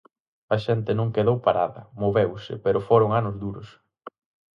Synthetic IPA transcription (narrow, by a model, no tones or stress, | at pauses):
ɐʃɛnt̪ɪnõŋkeðowpaɾaðɐ̰moβewsɪ̰peɾʊfoɾʊŋanʊzðuɾʊs